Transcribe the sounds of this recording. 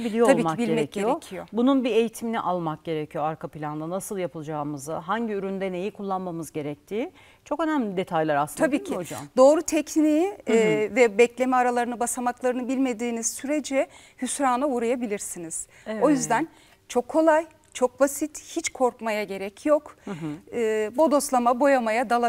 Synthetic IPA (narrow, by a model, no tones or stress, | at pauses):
biijoalbiːmibilʲɟemɛecʰiejoecʰijo̞bununbie̞jit̪ʰiminiʔalˠmak̚ɟe̞ɾecʰijo̞aɾkʰapilʲand̪anasɯlˠjapʰɯlˠd͡ʒaːmɯzɯɦaɲɟiyɾynd̪ɛne̞jikʰulˠːanmamɯzɟe̞ɾɛc̚t̪ʰiː | t͡ʃʰo̞kø̞næmlʲid̪e̞t̪ʰajlʲˠaɾaslˠɯt̪ʰabiːcʰiod͡ʒaa̰md̪o̞ːɾut̪ʰɛcnijivɛbɛclʲe̞mɛaɾalˠaɾɯnɯbasamaklˠaɾɯnɯbilʲme̞d̪iːniz̥syɾe̞d͡ʒɛ | hysɾaːnauɾajabilʲiɾsiniz̥ | o̞jyzd̪æn | t͡ʃʰo̞kʰːo̞lˠaj | t͡ʃʰo̞k̚basit̪hit͡ʃkʰo̞ɾkmajaɟe̞ɾɛcʰjo̞kː | bod̪o̞slˠamabo̞jamajad̪alˠa